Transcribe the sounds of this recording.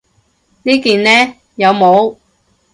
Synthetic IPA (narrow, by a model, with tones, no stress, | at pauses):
niː˥kiː˨nlɛː˥ | jɐ˨˧wmo˨˧w